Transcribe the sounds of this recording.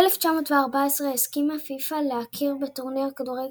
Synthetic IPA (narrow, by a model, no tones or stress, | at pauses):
eleft͡ʃamo̞tveaʁbaesʁeeskimafifaleakʰiʁbetoʁniʁakaduʁe